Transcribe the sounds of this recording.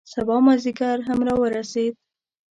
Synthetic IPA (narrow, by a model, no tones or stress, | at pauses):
sabɑmaziɡaɾɦamɾɑwəɾased̪̚